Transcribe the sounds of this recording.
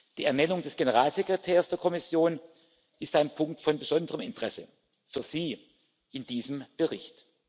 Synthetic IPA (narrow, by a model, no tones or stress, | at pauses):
d̥iːɛɐnɛnʊŋdɛsɡ̥enəʁaːlzekʁ̥etʰeːɐsd̥eːɐkʰɔmɪsjoːn | ʔɪstaɪnpʰʊŋk̚tfɔnbəzɔndəʁəmɪntəʁ̥ɛsə̰ | fyːɐz̥iː | ʔɪnd̥iːzəmb̥əʁɪçt